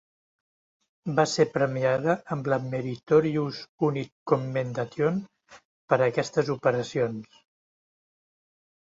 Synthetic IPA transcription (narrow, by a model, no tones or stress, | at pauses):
basepɾəmiaðəəmbləmeɾit̪oɾiuzunit̚komːend̪at̪jon | pəɾəkɛst̪əzupəɾəsions